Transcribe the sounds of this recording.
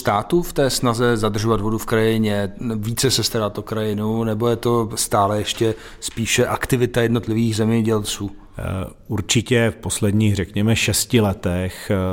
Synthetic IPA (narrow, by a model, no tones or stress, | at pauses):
st̪aːt̪uft̪ɛːsnazɛzad̪r̩ʒo̞vad̪vo̞dufkɾajɪɲɛviːt͡sɛsɛst̪aɾat̪okɾajɪnunɛbo̞jɛt̪o̞st̪aːlɛjɛʃcɛ | spiːʃɛʔakt̪ɪvɪt̪ajɛdno̞t̪lɪviːɣzɛmɲɛɟɛlt͡suː | uɾt͡ʃɪcɛfposlɛd̪ɲiːɣrɛkɲɛmɛʃɛscɪlɛt̪ɛx